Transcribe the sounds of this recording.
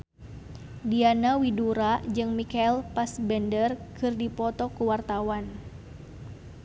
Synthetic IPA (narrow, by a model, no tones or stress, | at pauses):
dianawiduɾad͡ʒɨŋmikailpasbɛndərkɨrdipɔt̪ɔkuwart̪awan